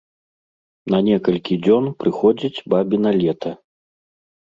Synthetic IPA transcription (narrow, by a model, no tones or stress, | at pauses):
nɐnʲɛkɐlʲkʲid͡zʲɔnpɾɨxɔd͡zʲit͡sʲbabʲinɐlʲɛt̪ʰɐ